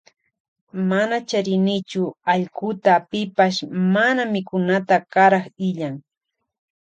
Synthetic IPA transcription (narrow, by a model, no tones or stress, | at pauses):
manat͡ʃaɾɪnɪt͡ʃʊaʎkʊt̪apɪpaʃmanamɪkʊnat̪akaɾɑχɪʎaŋ